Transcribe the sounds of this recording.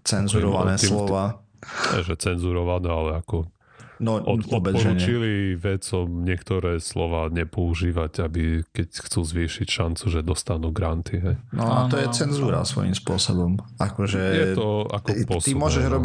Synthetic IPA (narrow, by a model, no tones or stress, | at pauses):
t͡sɛnzuɾɔanɛlɔʋaː | ɛ̰ʒɛt͡sɛnzuɾɔʋanɛalɛakɔ | nɔʔɔt̪pɔbɛpɔɾuːɲt͡ʃiliʋɛt͡sɔmɲɪɛkt̪ɔɾɛːslɔʋaːɲɛpɔuʒiːʋaɟabikɛcxt͡suːzʋiːʃicʃant͡suʒɛd̪ɔst̪anuɡɾant̪ʰiɦɛjnɔat̪ɔjɛt͡sɛnzuːɾa̰sʋɔ̰jḭmspʊɔsɔbɔmakɔʒɛjɛt̪ɔakɔpɔst̪iimʊɔʒɛʒɾɔbi